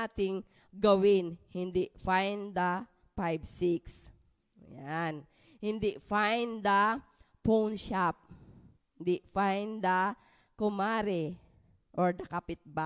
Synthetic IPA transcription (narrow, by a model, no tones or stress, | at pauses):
at̪ɪŋ | ɡɐwɪnhɪnd̪iʔfajnd̪ɐ | pajbsiks | jan | hɪnd̪ɪʔfajnd̪ɐpownʃap̚ | hɪnd̪iʔfajnd̪ɐ | kʊmaɾɛ | ʔoɹd̪ɐkapɪt̪̚ba